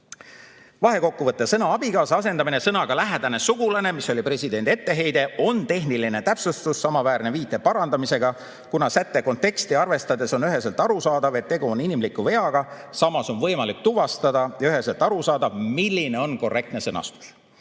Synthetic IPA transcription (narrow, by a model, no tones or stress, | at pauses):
vɑɦe̞ko̞kːuvɤt̪ːˑesɤnɑɑb̥ikɑːsɑɑs̬e̞nd̪ɑmine̞sɤnɑɡ̥ɑlæɦed̪̥ɑne̞suɡ̥ulɑne̞miso̞lʲipre̞sʲid̪e̞nd̪ie̞t̪ːe̞ɦe̞jd̪e̞ʔo̞nt̪e̞ɦniline̞t̪æpsust̪usːɑmɑvæːrne̞viːt̪ːˑe̞pɑɾɑnd̪̥ɑmise̞ɡ̥ɑ | kunɑsæt̪ːe̞ko̞nt̪ːˑe̞kst̪iɑrve̞st̪ɑd̪e̞so̞nyɦe̞selt̪ːˑɑɾusɑːd̪ɑve̞t̪ːe̞ɡuoninimlikːˑuve̞ɑɡ̥ɑ | sɑmɑso̞nvɤjmɑlik̚t̪uvɑst̪ɑd̪̥ɑjɑyɦe̞selt̪ːˑɑɾusɑːd̪̥ɑvmilʲːine̞o̞nko̞re̞kt̪nesɤnɑ̰st̪u̥s